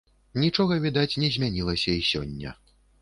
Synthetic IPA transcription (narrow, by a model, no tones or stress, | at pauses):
nʲit͡ʂɔɣɐvʲid̪at͡sʲnʲɛzʲmʲanʲilˠɐsʲɐisʲɔ̰nʲːɐ̰